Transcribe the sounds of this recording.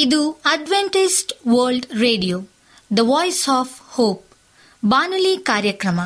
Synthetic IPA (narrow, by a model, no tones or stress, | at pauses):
id̪uɐɖʋeɳʈisʈʋɐːɾlɖɾeːɖijoː | d̪ɐʋɔːjsɔːfhoːp̚ | baːnuliːkaːɾjɐkɾɐmɐ